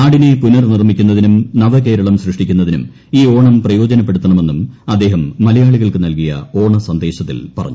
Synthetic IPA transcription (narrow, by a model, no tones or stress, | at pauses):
naːɽine̞punɐrnirmikʲːunːɐðinumnɐʋɐk̬e̞ːɾɐɭɐmɕrɨʂʈikʲːunːɐðinṵm | iːo̞ːɳɐmprɐjo̞ːd͡ʑɐnɐpːeɽut̪ːɐɳɐme̞nːumɐd̪ːe̞ːɦɐmːɐlɐjaːɭiɣɐɭkɨnɐlkijɐ̰o̞ːɳɐsɐnd̪e̞ːɕɐt̪ːilpɐrɐ̰ɲːu